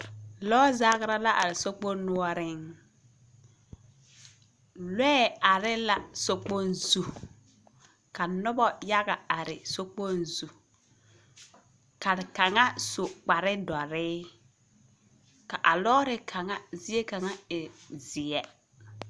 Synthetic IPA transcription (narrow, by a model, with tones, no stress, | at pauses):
lɔː˦zaː˦ɣɪ˦ɾa˦la˦ʔa˨ɾɪ˨so˦k͡po˦nu˦ɔ˦ɾɪ˦ŋ | lɛ˦˨a˨ɾɪ˦la˨so˦k͡po˦nzu˨ | ka˨nʊ˦bɔ˦ja˦ɣa˨a˨ɾɪ̰˨so˦k͡po˦nzu˨ | ka˨ɾɪ˨ka˨ŋa˦sʊ˨k͡pa˨ɾɪ˦dɔ˨ɾɪː˦ | ka˨ʔa˨lɔː˦ɾɪ˦kʰa˨ŋa˦zɪ˦e˦ka˨ŋa˦ɪ˨zɪ˨ɛ˦